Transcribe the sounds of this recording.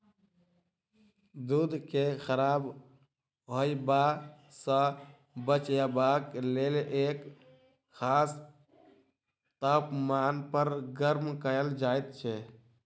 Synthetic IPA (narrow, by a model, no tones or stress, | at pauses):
d̪ud̪kexəɾaːb | ɦojba | sə̃ | bət͡ʃjabakleːlʔeːk | xaːs | t̪aːpmaːnpəɾɡəɾmkəəld͡ʒaːjt̪t͡ʃʰɛ